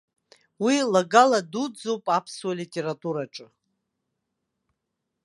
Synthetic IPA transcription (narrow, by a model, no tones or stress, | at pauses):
wilaɡaladud͡zowpʼapʰswalitʼe̞ɾatʼuɾaʈ͡ʂʼɨ